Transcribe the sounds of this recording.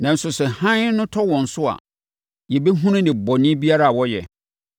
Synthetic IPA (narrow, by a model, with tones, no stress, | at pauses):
nã˨n̩˦sʊ˨sɛ˨hã˦nʊ̃˦tʰɔ˦wɔ̃˨n̩˨sʊ˦a̰˨ | jɛ˨be˦ɦũ˦nʊ̃˦nɪ̃˨bɔ˨nɪ̃˦bi˦a˦ɾa˦a˨wɔ˦jɛ̰˨